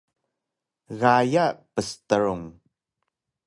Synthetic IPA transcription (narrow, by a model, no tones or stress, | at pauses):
ɣajaʔpəst̪əɹuŋ